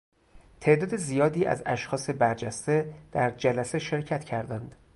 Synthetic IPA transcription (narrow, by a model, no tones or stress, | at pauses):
t̪ʰe̞ʔd̪ɒːd̪ezijɒːd̪iːæ̰zæ̰ʃxɒːsebæɾd͡ʒæst̪e̞d̪̥æɾd͡ʒælæseʃe̞ɾcʰæt̪ʰcʰæɾd̪ænd̪̥